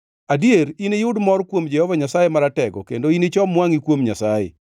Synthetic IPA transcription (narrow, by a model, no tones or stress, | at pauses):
adieɾinejʊdmɔrkwomd͡ʒɛhɔvaɲasajemaɾatɛɡɔ̰kendoinet͡ʃɔmwaŋikwomɲasajḛ